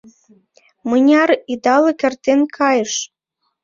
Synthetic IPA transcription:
mɤnʲɑɾid̪ɑlɤ̆kĕrt̪enkʰɑjəʃ

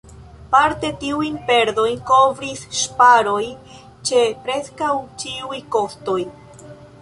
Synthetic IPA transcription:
paɾte̞tiujnpe̞ɾdo̞jnko̞vɾisʃpaɾo̞j | t͡ʃe̞pɾe̞skawt͡ʃiujko̞sto̞j

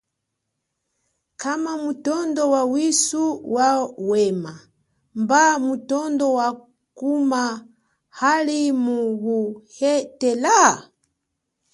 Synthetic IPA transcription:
kamamutɔndɔwawisuwawɛma | mbamutɔndɔwa | kuma | halimuɣuhɛtɛla

